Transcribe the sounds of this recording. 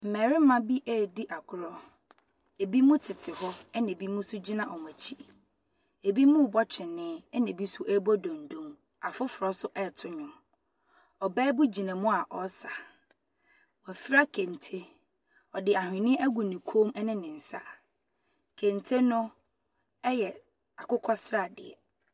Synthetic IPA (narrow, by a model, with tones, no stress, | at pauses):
m̩˨mɛ˨ɾɪ˦mã˦bi˦ʔɛ˦˨di˦ʔa˨kʰʊ˨ɾɔ˦ | e˨bi˦mʊ̃˦tʰɪ˨tʰɪ˨hɔ˦ɛ˦nã˨bi˦mũ˦sʊ˦d͡ʑi˦nã˨ʔɔ˨n˨æ˨t͡ɕʰi˦ | e˨bi˦mʊ̃˦˨bɔ˦t͡ɕᶣʰɪ˨nːɪ̃˦ɛ˦nɪ̃˨bi˦sʊ˦ʔɛ˦bɔ˦dɔ̃˨n̩˨dõ˦m | a˨fʊ˦fʊ˨ɾɔ˦sʊ˦ʔɛ˦˨tʰʊ˦ɲʊ̃˨m | ɔ˨bɛː˦bu˦d͡ʑi˨nã˨mʊ̃˦a˨ʔɔ˨sa˨ | wɔ˨fi˦ɾa˦kʰẽ˨n˨tʰe˦ | ɔ˨dɪ˨a˨hɪ̃˨nɪ̃˦ʔæ˦ɡu˨nĩ˨kʰo˦mɛ˦nɪ̃˦nɪ̃˨n̩˨sa̰˦ | kʰẽ˨ntʰe˦nʊ̃˦ | ɛ˦jɛ˨ | a˨kʊ˦kʰɔ˦sɾa˦˨dɪ̰˨ɛ̰˨